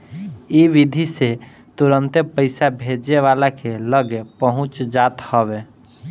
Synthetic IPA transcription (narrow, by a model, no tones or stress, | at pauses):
iʋid̪ʱise | t̪uɾənt̪epəɪsabʱed͡ʒeʋalakeləɡepəɦʊ̃t͡ʃd͡ʒaːt̪hɔʋe